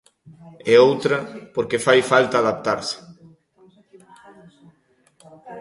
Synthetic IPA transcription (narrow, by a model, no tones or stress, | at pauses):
ɛowt̪ɾɐpoɾkefajfalt̪aːðap̚t̪aɾsɪ̥